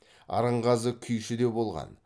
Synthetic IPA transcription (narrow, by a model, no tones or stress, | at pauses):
ɑ̰ɾəɴʁɑzəkʲʰʏjʃɪd̪e̞bo̞lˠʁɑ̰n